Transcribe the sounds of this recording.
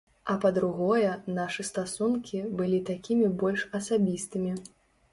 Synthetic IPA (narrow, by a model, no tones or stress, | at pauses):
ɐpɐd̪ɾuɣɔjɛnaʂɨst̪asunkʲʰibɨlʲit̪akʲimʲibɔlʲʂɐsabʲist̪ɨmʲi